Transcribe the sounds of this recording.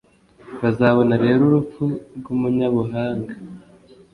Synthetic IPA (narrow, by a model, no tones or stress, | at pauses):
βazaːβo̞naɾe̞ːɾuɾup͡fuɾɡumuɲaβuɦaːŋɡa